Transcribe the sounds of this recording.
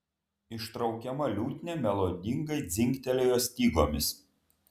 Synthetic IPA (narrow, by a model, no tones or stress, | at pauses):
ɪʃt̪ɾɒʊkʲɛmɐlʲuːt̪ʲnʲemʲɛlˠoːd̪ʲɪŋɡɐɪd̪zʲɪŋʲkʲt̪ʲɛlʲejoːsʲt̪ʲiːɡˠo̰ːmʲɪs